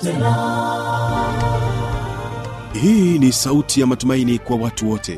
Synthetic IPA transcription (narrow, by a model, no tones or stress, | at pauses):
hiːnisautʰijamatumainikwawatuwɔtʰɛ̰